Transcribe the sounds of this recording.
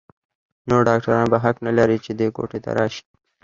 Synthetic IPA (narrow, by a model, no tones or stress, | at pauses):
noɾɖɑk̚ʈaɾɑːnbaɦaknalaɾit͡ʃed̪eko̰ʈet̪a̰ɾɑːʃi̥